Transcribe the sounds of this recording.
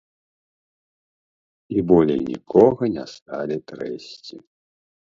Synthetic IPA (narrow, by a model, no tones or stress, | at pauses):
ibɔlʲɛ̰nʲḭkʰɔɣɐnʲa̰st̪alʲit̪ɾɛsʲt͡sʲḭ